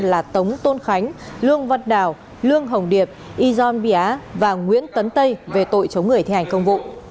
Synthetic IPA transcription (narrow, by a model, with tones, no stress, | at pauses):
laː˨˩t̪ə˨˦wŋ͡mt̪o˧nxa˨˦jŋ̟lɨ˧əŋvə˧t̚ɗaː˨˩w | lɨ˧əŋɦə˨˩wŋ͡mɗi˨˩əp̚ʔi˧zɔ˧nɓi˧˩ʔaː˨˦vaː˨˩ŋwḭ˧˥ənt̪ə˨˦nt̪ə˧jve˨˩t̪o̰˧˨jt͡ɕə˨˦wŋ͡mŋɨ˨˩ət̪ʰha˨˩jŋ̟kə˧wŋ͡mvṵ˧˨